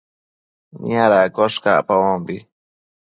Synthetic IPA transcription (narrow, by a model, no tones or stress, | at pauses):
nḭaɾakoʃka̰pawombi